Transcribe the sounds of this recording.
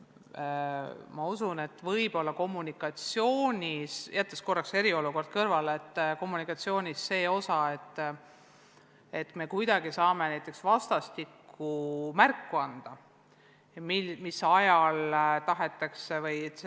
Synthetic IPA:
mɑusune̞t̪ːˑvɤjb̥o̞lːɑko̞mːunikˑɑt̪sijo̞ːnʲisjʔæt̪lesko̞rːɑkse̞ɾio̞luko̞rd̪̥̚kɤrvɑlet̪ːko̞mːunikːˑɑt̪sio̞ːnʲisːe̞ːo̞sɑe̞t̪ːˑ | e̞t̪ːˑme̞kujd̪̥ɑɡ̥isɑːme̞næjt̪ːˑe̞ksvɑst̪ɑst̪ikːumærkːuɑnd̪̥ɑ | mimisɑjɑlt̪ɑɦe̞t̪ːˑɑksevɤj

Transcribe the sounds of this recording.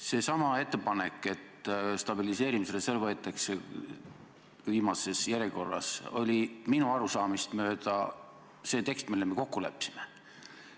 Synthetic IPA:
se̞ːsɑmɑe̞t̪ːˑepɑne̞kːˑe̞t̪st̪ɑb̥ilise̞ːɾimiseleselvɤet̪ːˑɑkse | viːmɑse̞sjæɾjeko̞rːɑ̰so̞̰lʲiminuɑɾusɑːmist̪mø̞ːd̪ɑ | se̞ːt̪e̞kst̪milːemeko̞kːulḛpːˑsi̥me

